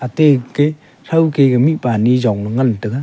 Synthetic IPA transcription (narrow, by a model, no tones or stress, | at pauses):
ateke | sawkeɡamipanizaŋnɯŋantɯɡa